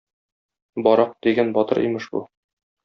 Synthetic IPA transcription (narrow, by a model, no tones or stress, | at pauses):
bɒɾɑq̚d̪̥iɡænbɒt̪ɤɾʔḭmɘʃbṵ